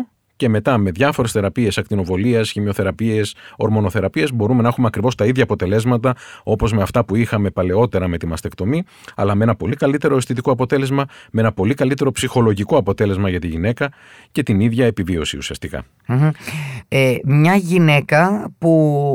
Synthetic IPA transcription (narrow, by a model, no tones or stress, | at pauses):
ce̞me̞t̪ɐme̞ðʝɐfo̞ɾesθe̞ɾɐpie̞sɐk̚t̪ino̞vo̞liɐsçimo̞θe̞ɾɐpie̞so̞ɾmo̞no̞θe̞ɾɐpie̞zbo̞ɾume̞nɐexumeɐkɾivo̞st̪ɐiðʝɐːpo̞t̪e̞le̞zmɐt̪ɐo̞po̞zme̞ɐft̪ɐpuixɐme̞pɐle̞o̞t̪eɾɐme̞t̪imɐst̪e̞kt̪o̞mi | ɐ̰lɐmee̞nɐpo̞likɐlit̪e̞ɾo̞est̪it̪̬iko̞ɐpo̞t̪e̞le̞zmɐmee̞nɐpo̞likɐlit̪e̞ɾo̞psixo̞lo̞ʝiko̞ɐpo̞t̪e̞le̞zmɐʝɐt̪iʝine̞kɐ | ce̞t̪iniðʝɐepivio̞siusiɐst̪ikɐ̰ | emɲɐʝine̞kɐpu